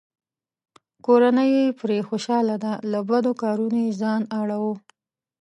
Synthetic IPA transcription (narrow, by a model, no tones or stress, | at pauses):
koɾanəjepɾexoʃɑlad̪alabad̪okɑɾunojezɑnaɽawo